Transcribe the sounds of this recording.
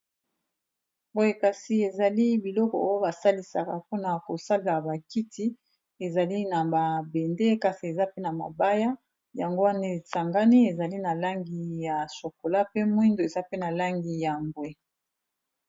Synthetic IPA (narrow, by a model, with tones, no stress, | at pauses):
bo˦e˨ka˨si˨e˨za˨li˦bi˨lɔ˦kɔ˨o˦o˦ba˨sa˦li˨sa̰˨ka˨ku˦na˨ko˨sa˦la˨ba˨ki˦tʰi˦ | e˨za˨li˦na˨ba˨be˨nde˦ka˨si˨e˨za˦pe˦na˨ma̰˨ba˦ja˦ | ja˨ŋɡo˦wa˦ne˦˨sa˨ŋɡa˦ni˦e˨za˨li˦na˨la˦ŋɡi˨ja˨so˨ko˨la˦pe˦mwi˦ndo˨e˨za˦pe˦na˨la˦ŋɡi˨ja˨mɡwe˦